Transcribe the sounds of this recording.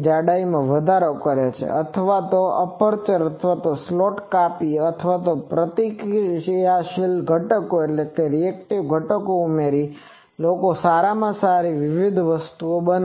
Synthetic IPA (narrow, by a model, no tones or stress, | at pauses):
d͡ʒaɽaimãʋəd̪ʱaɾokəɾjat͡ʃʰḛʔət̪ʰəʋat̪oəpəɾt͡ʃəɾət̪ʰʋat̪osloʈkapiət̪ʰəʋat̪opɾət̪ikjaʃilɡʱəʈəkoeʈlekeɾiekʈiʋɡʱəʈəkoumeɾi | lokosaɾamãsaɾiʋɪʋid̪ʱʋəst̪uobən